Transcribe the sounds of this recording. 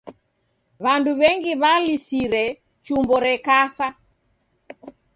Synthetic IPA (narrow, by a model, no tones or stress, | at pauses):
βanduβɛŋɡiβalisiɾɛ | t͡ʃumbɔɾɛkasa